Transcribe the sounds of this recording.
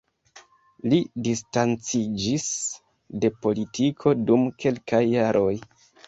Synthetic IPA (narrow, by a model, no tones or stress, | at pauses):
lidistant͡sid͡ʒis | de̞po̞litʰikʰo̞dumke̞lkajːaɾʔo̞j